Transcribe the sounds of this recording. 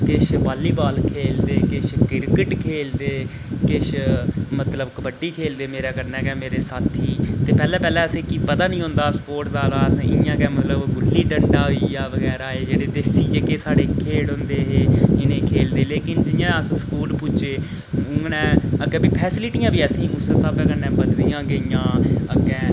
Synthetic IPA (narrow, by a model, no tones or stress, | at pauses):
kɪʃbaːlːiːbaːlkʰeːld̪eːkɪʃkɪɾkəʈkʰeːld̪eː | kɪʃmət̪ləbkəbəɖiːkʰeːld̪eːmeːɾaːkəɾnɛːkɛ̃ːmeːɾeːsaːt̪ʰiːt̪eːpɛːlɛ̃ːpɛːlɛ̃ːəsẽːkiːpəd̪aːnĩːɦʊ̃ːnd̪aːsəpoːɾʈzaːɾaːəsẽɪ̰ɪjãːkɛːmət̪ləbɡʊlːiːɖəɳɖaːiːjaːʋəɡɛːɾaːeːd͡ʒeːɽeːd̪eːsiːd͡ʒeːkeːsaːɽeːkʰeːɽɦʊ̃nd̪eːɦeːɪnẽːkʰeːld̪eːleːkɪnd͡ʒɪjãːəssə̥kuːlpʊt͡ʃeː | ʊnɛ̃ːəɡɛːbiːpʰɛːsɪlɪʈiːãːbiːəsĩːmʊssabɛːkəɾnɛ̃ːbəd̪d̪ijãːɡəijãːəɡɛ̃ː